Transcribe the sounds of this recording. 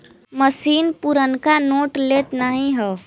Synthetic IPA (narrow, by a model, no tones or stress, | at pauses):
məsiːnpuɾənkanoːʈlet̪naːɦĩɦɛ